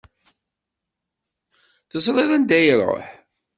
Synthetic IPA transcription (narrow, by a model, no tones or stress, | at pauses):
θəs̬ɾˤeðˤænd̪æjəɾˤə̰ħ